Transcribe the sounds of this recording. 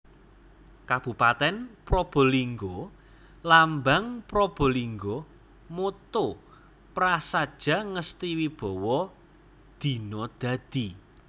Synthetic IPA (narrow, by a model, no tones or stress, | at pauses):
kab̥ṳpat̪ɛnpɾob̥ɔ̤liŋɡɔ | lambaŋpɾob̥o̤liŋɡo | mot̪o | pɾasad̥ʒ̥ä̤ŋəst̪iwib̥ɔ̤wɔ | d̪̥i̤nɔd̪̥ä̤d̪̥i